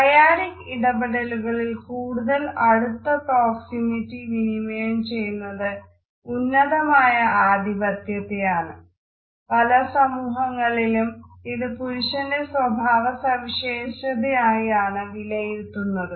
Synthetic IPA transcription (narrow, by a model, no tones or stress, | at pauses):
t̪ɐjaːɾikiɽɐbeɽɐluɣɐɭilkuːɽuðɐlɐɽut̪ːɐpɾoːksimitːiʋinimeːmt͡ɕe̞jːunːɐðɨ | unːɐðɐmaːjɐaːd̪ʱibɐt̪jɐt̪ːejaːɳɨ | pɐlɐsɐmuːɦɐŋːɐɭilumiðɨpuɾuɕɐndeswɐbʱaːʋɐsɐmiɕejːʂɐd̪iaːjiaːɳɨʋilɐjiɾt̪ːunːɐðɨ